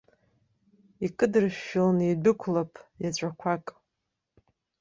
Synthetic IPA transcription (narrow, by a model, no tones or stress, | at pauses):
ikʼɨdrɨʃːɪlanibɨkʷʰlapʼjat͡ɕʷʼakʷʰakʼ